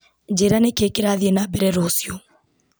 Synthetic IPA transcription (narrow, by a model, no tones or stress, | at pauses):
d͡ʒeɾanekekeɾaðjenabɛɾɛɾosjo